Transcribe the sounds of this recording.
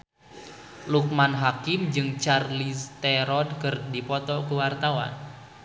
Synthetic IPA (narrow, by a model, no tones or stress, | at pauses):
luk̚manɦakɪmd͡ʒɨŋt͡ʃarlist̪ɛɾɔdkɨrdipɔt̪ɔkuwart̪awa̰n